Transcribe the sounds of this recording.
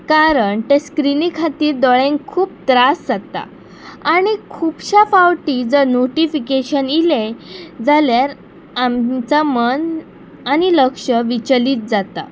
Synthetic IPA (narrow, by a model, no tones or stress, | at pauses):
kaɾəɳʈeskɾinikʰat̪iːɾd̪ɔɭẽŋkʰuːp̚t̪ɾasd͡zat̪a̰ | aɽ̃ikʰuːpɕafawʈid͡zəɾnoʈifikeɕəniled͡zaljaɾ | amt͡samən | añiləkʂəʋit͡ɕliːt̪̚d͡zat̪a̰